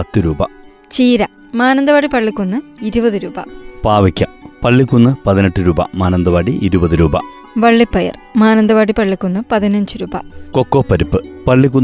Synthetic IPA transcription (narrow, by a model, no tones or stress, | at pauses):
pɐt̪ːɨɾuːbɐ̰ | t͡ɕiːɾɐ | maːnɐnd̪ɐʋaːɽipɐɭːikʲːunːɨiɾubɐðɨɾuːbɐ̰paːʋikʲːɐ̰pɐɭːikʲːunːɨpɐðineʈːɨɾuːbɐ̰maːnɐnd̪ɐʋaːɽiʔiɾubɐðɨɾuːbɐ̰ | ʋɐɭːipːɐjɐ̰r | maːnɐnd̪ɐʋaːɽipɐɭːikʲːunːɨpɐðinɐɲd͡ʑɨɾuːbɐ̰kokːoːpːɐɾupːɨpɐɭːik̬ʲːu